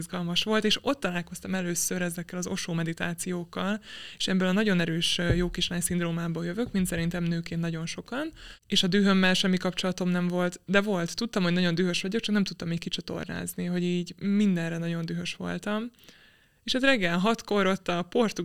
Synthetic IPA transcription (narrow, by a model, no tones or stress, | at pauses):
zɡɒlmɒʃʋo̞lt̪eːʃo̞t̪ːɒlaːlko̞st̪ɒmɛløːsøɾɛzɛkːɛlɒzo̞ʃoːmɛd̪it̪a̰ːt̪sijoːkːɒleːʃɛbːɛlɒnɒɟo̞nɛɾøːʃjoːkiʃlaːɲsind̪roːmaːbɒːjøvøkmint̪sɛɾint̪ɛmnøːkeːnnɒɟo̞nʃo̞kɒneːʃɒd̪yːɦø̞mːɛlʃɛmːikɒpt͡ʃo̞lɒt̪o̞mnɛɱvo̞lt̪d̪ɛvo̞lt̪ːut̪ːɒmhoɟnɒɟo̞nd̪yːɦø̞ʃʋɒɟo̞kt͡ʃɒk̚nɛmt̪ut̪ːɒmeːckit͡ʃɒt̪o̞̰rna̰ːzniɦo̞ɟiːɟmind̪ɛnrɛnɒɟo̞nd̪yɦø̞ʃʋo̞̰lt̪ɒm | eːʃɛzrɛɡːɛlɦɒt̪ko̞ɾo̞t̪ːɒpo̞rt̪u